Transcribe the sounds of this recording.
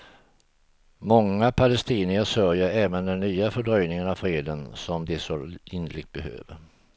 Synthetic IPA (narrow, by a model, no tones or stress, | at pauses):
mɔŋːapʰalɛst̪iːnɪəsœɾjəɾɛːvənd̪ɛnːyːafœɖɾœjnɪŋənavfɾeːd̪ənsɔmd̪ɛsoɪnlɪk̚t̪̚bɛɦø̰ːvəɾ